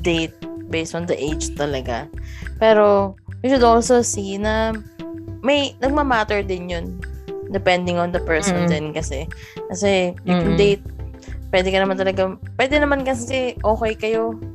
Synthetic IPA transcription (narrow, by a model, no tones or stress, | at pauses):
d̪ejt̪̚bejst̪ɔnd̪ɐʔejd͡ʒt̪ɐlɐɡapɛːɾo̞mɛd͡ʒʊd̪olsosinɐ | mɐjnɐɡ̚mɐmaːt̪ɛɹd̪ɪnjond̪ɛpɛnd̪ɪŋɔnd̪ɐpɛɹsond̪ɛnkɐsɛ | kɐsɛɪɪnd̪ejt̪̚ | pwɛd̪ɛkɐnɐmant̪ɐlɐɡapwɛːd̪ɛnɐmankɐsɛʔoːkɛjkɐjo̞